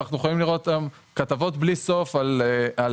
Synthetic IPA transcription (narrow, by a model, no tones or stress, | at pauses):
aχnujeχolimliʁo̞t̪am | kat̪avo̞tbliso̞falal